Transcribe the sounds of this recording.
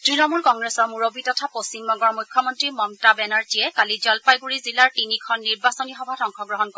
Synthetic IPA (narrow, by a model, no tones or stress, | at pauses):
tɹinɔmulkɔŋɡɹesɔɹmuɹobitɔtʰapost͡ʃimnɔɡɔɹmujkʰːjɔmɔntɹimɔntabɛnaɹtiɛkalid͡ʒɔlpajɡuɹizilaɹtinikʰɔnːiɹbasɔnixɔbʱadɔŋkʰɔɡɹɔɦɔnkɔ